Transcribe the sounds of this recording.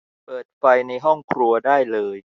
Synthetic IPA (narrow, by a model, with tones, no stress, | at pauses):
pɤː˨˩t̪̚fa˧jna˧jɦɔ˥˩ŋkʰɾu˧ɐdaː˥˩jlɤː˧j